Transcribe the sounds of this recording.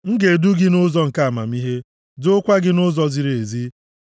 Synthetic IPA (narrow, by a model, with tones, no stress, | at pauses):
ŋ̩˦ɡe˨du˦ɡɪ˦nʊ˦zɔ˨ŋ̩˨ka˦a˨ma˨mi˦ɦe˦ | d͡ʒʊ˦kʷa˦ɡɪ˦nʊ˦zɔ˦zi˨ɾe˨zi˦